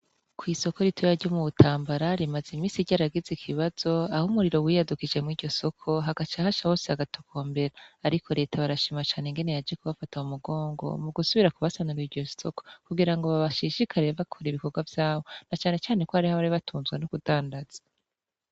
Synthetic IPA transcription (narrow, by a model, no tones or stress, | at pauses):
kwiːso̞ko̞ɾitʰojaɾɟomuβutʰaːmbaɾaɾimazimiːsiɟaɾaɡizikʰiβaz̥o̞ahumuɾiɾo̞wiːjadukid͡ʒe̞mŋiːɟo̞so̞kʰo̞ɦaɡat͡ʃahaʃahoːsehaɡatu̥kʰo̞ːmbe̞ɾaːɾikʰo̞ɾe̞ːtʰaβaɾaʃiːmat͡ʃaːneŋɡe̞ne̞jad͡ʒekuβafataumuɡo̞ːŋɡo̞̰muɡusuβiɾakuβasanuɾiiɾɟo̞soko̞̥kuɡiɾaŋɡo̞βaβaʃiʃikʰaɾeβakʰoɾiβiko̞ɡwavjaːβo̞nat͡ʃaːne̞t͡ʃaːne̞kohaɾihaβaɾiβatʰuːnzɡwenokudaːndaz̥ḁ